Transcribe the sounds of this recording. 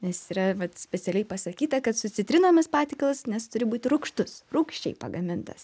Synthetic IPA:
nʲɛsiːɾɐʋɐt̪sʲpʲɛt͡s̪ʲɛlʲɛɪpɐsɐkʲiːt̪ɐkɐt̪sʊt͡sʲɪt̪ʲɾʲɪnoːmʲɐspɑːt̪ʲɪːklˠɐsnʲɛst̪ʊɾʲɪbuːt̪ʲɪɾʊkʃt̪ʊsruːkʃʲt͡ʃʲɛɪpɐɡɐmʲɪnt̪ɐs

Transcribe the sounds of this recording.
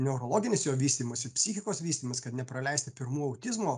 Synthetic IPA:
nʲɛʊɾoːlˠoːɡʲɪnʲɪsjoːʋʲiːsʲt̪ʲiːmɐsʲɪpʲsʲɪxʲɪkoːsʋʲiːst̪ʲiːmɐskɐt̪nʲɛpɾɐlʲɛɪsʲt̪ʲɪpʲɪɾmuːɐʊt̪ʲɪzmoː

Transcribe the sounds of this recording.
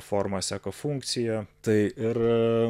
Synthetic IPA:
foɾmɐsʲæːkɐfuŋkt̪sʲɪjɛt̪ɐɪɪɾ

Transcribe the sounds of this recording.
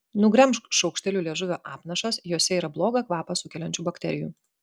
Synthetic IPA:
nʊɡɾʲɛmʃkʃɒʊkʃʲt̪ʲɛlʲuːlʲeːʒʊʋʲoːʔɑːpnɐʃɐsjoːsʲɛiːɾɐblˠoːɡɐkʋɑːpɐsʊkʲɛlʲɛnʲt͡ʃʲuːbɐkt̪ʲɛ̰ɾʲɪjṵː

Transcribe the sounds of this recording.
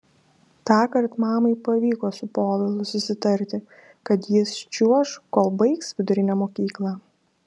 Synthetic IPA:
t̪ɑːkɐɾt̪mɑːmɐɪpɐʋʲiːkoːsʊpoːlʲɛlˠʊsʊsʲɪt̪ɐɾʲt̪ʲɪ | kɐt̪jɪst͡ʃʲuɔʃkoːlˠbɐɪksʋʲɪd̪ʊɾʲɪnʲæmoːkʲiːklˠɑː

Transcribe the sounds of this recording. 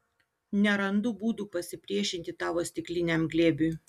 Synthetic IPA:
nʲɛɾɐnd̪ʊbuːd̪uːpɐsʲɪpʲɾʲiɛʃʲɪnʲt̪ʲɪt̪ɑːʋoːsʲt̪ʲɪklʲɪnʲɛmɡlʲeːbʲuː

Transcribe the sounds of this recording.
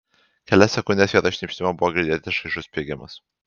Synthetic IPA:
kʲɛlʲɛsʲɛkʊnʲd̪ʲeːsʋʲiɛt̪ɐʃʲnʲɛpʲʃʲt̪ʲɪmɐbʊʋoːɡʲɾʲɪd̪ʲeːt̪ʲɪʃɐɪʃʊsʲpʲeɡʲɪmɐ̰s

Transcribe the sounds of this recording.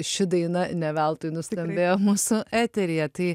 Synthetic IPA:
ʃʲɪd̪ɐɪnɐnʲɛʋʲælˠt̪ʊɪnʊsʲt̪ʲɛmʲbʲeːjoːmuːsʊʔæːt̪ʲɛɾʲɪjɛt̪ɐɪ

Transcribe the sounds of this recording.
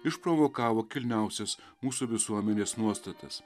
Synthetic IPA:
ɪʃpɾoːʋoːkɑːʋoːkʲɪlʲnʲæˑʊsʲɛs | muːsuʋʲɪsuɔmʲɛnʲeːsnuɔst̪ɐt̪ɐ̰s

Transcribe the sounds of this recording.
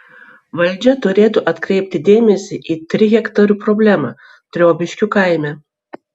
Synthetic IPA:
ʋɐlʲˑd͡ʒʲɛt̪ʊɾʲeːt̪ʊʔɐt̪kɾʲɛɪpʲt̪ʲɪd̪ʲeːmʲɛsʲɪʔiːt̪ʲɾʲɪɣʲɛkt̪ɐɾʲuːpɾɔbʲlʲæmɑ | t̪ʲɾʲoːbʲɪʃʲkʲʊkaˑɪmʲɛ

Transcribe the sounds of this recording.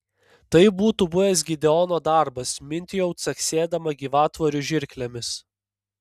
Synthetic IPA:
t̪ɐɪbuːt̪ubʊʋʲɛs̬ɡʲɪd̪ʲɛɔnoːd̪ɑˑɾbɐsmʲɪnʲt̪ʲɪjɛʊt̪sɐksʲeːd̪ɐmɐɡʲiːʋɑːt̪ʋɔɾʲʊʒʲɪɾʲklʲɛmʲɪs

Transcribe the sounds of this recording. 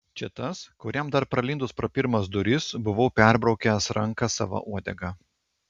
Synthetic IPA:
t͡ʃʲɪt̪ɐskʊɾʲɛmd̪ɐɾpɾɐlʲɪnd̪ʊspɾɐːpʲɪɾmɐsd̪ʊɾʲɪsbʊʋoʊpʲæˑɾbɾɒʊkʲɛsɾɐŋˑkɐsɑ̰ːʋɐ̰ʔuɔd̪ʲɛɡɑː

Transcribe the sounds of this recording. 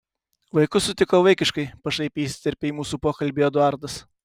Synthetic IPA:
ʋɐɪkʊsʊt̪ʲɪkoːʋɐɪkʲɪʃkɐɪpɐʃɐɪpʲeiːsʲɪ̥t̪ʲɛɾʲpʲeimuːsuːpoːkɐlʲbʲiːɛd̪ʊɑˑɾd̪ɐs

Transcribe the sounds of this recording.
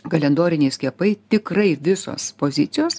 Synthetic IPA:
ɡɐlʲɛnd̪oːɾʲɪnʲeɛsʲkʲiɛpɐɪt̪ʲɪkɾɐɪʋʲɪso̰ːspoːzʲɪt̪sʲɪjoːs

